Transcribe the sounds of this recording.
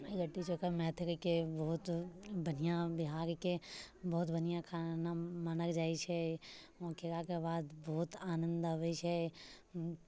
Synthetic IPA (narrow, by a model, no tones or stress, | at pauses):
eɡəʈːit͡ʃoːkamɛ̃ːt̪ʰɪkkebɔɦʊt̪bɐnijãbɪɦaːɾkebɔːʊt̪bɐnijãkʰaːnamənəkd͡ʒaːiʃʰɛ | ɔ̃ːkeɾakebaːd̪bɔːʊt̪aːnə̃nd̪aʋəʃɛ